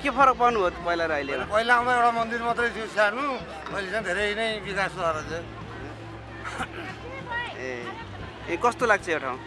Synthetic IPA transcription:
kepʰʌɾʌk̚pawnubʱʌt̪ʰpʌilaɾʌjleɾʌpʌilaaw̃d̪aewʈamʌnd̪irmʌt̪rʌjt̪ʰjosanu | ʌjlesʰʌŋd̪ʱeɾʌjnʌjbikasaɾʌt͡se | n | ẽ | ẽkʌst̪olaɡ̚t͡sʰʌeʈʰaw̃

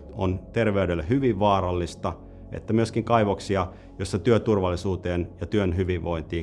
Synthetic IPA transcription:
o̰nt̪erʋeydelːæhyʋiʋʋɑːɾɑlːist̪ɑ | ḛt̪ːæmyøskiŋkɑiʋoksiɑ | josːɑt̪yøt̪urʋɑlːisuːt̪eːnjɑt̪yønɦyʋiʋʋoint̪iː

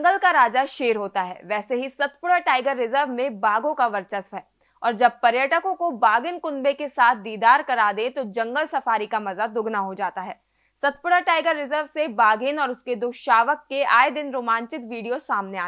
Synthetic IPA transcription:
ŋɡəlkaɾaːd͡ʒaʃeːɾɦoːt̪aɦɛ̰ːʋɛːseɦisɐt̪pʊɽaʈaːɪɡəɾːɪzəɾʋmẽbaːɡõkaʋɐɾt͡ʃəsʋɦɛː | ɔːɾd͡ʒɐb̚pɐɾjəʈəkõkobaːɡɪnkʊnbekesaːt̪̚ʰd̪iːd̪aːɾkɐɾaːd̪ẽt̪od͡ʒɐ̃ŋɡəlsɐfaːɾikamɐzad̪ʊɡnaɦod͡ʒaːt̪aɦɛː | sɐt̪̚pʊɽaʈaːɪɡəɾːɪzəɾʋsebaːɡɪnɔːɾʊsked̪oːʃaːʋəkːeaːed̪ɪnɾoːmãːɲt͡ʃɪt̪ʋiːɖijosaːmneaː

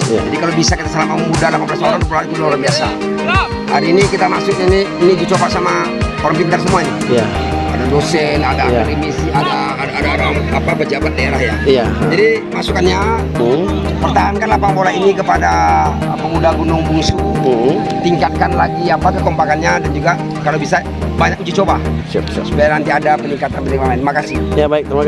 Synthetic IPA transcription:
d͡ʒadikalobisakit̪asəlamat̪̚məmudalapablasɔɾaŋpɔlait̪udaɔɾaŋbiasa̰ | ha̰ɾinikit̪amasʊk̚ɲaniinid͡ʒut͡ʃɔpasama | kɔɾɔmpint̪aɾsəmuaɲajaa̰dadɔsɛnadaɾimisiadaːaːdaɔɾaŋapapəd͡ʒabat̪̚daɛlahjad͡ʒadimasukanɲa | pərt̪aɦankanlahpaŋbolainikəpadapəmudaɡunʊŋbuŋsu | t̪iŋkat̪̚kanlaɡiapakəkɔmpakanɲadand͡ʒuɡa | kalabisa | baɲak̚ud͡ʒit͡ʃɔbasu̥pajanant̪iadapəniŋkat̪anbəniŋlaŋlainimakasɪhjabaɪk̚t̪a

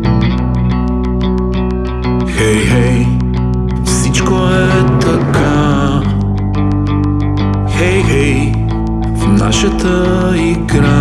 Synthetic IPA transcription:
xɛjhɛj | fsit͡ʃko | ɛt̪ɐkʰa | xɛjɦɛj | fna̰ʃɐt̪ʰə | iɡɾa

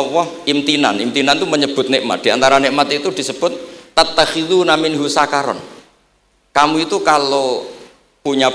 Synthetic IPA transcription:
wɔhʔimt̪ina̰nimt̪inant̪uməɲəb̥ʊ̤t̪̚neʔəmːa̰t̪̚d̥̪iant̪aɾaneʔmat̪it̪ud̪̥isəb̥ʊt̪̚ːat̪ːaxiðunaminɦusakaɾɔ̰n | kamuit̪ukalo | puɲa

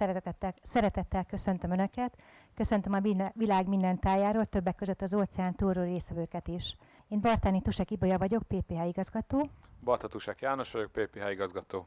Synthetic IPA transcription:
sɛɾt̪ːɛsɛɾɛt̪ɛt̪ːɛlkø̞sønt̪ømønøkɛt̪kø̞sønt̪ømɒiʋilaːɡmind̪ɛnt̪aːjaːɾoːlt̪ø̞bːɛkːøzø̞t̪ːɒzoːt̪sɛaːnt̪uːroːreːsʋɛvøːkɛt̪iʃ | eːnbɒrt̪aːnit̪uʃɛkibojɒvɒɟo̞k̚peːpeːɦaːiɡɒzɡɒt̪oːbɒrt̪ɒt̪uʃɛkjaːno̞ʃʋɒɟo̞k̚peːpeːɦaiɡɒzɡɒt̪oː

